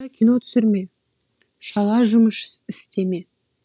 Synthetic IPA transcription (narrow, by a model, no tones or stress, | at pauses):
ɑkʲʰino̞t̪ʰʏ̥sɪɾme̞ | ʃɑlˠɑʒʊməʃɪst̪e̞me̞